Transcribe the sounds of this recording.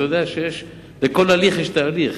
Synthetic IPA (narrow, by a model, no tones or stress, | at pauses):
jod̪eaʃejeʃ | bekolaliχjeʃt̪aːliχ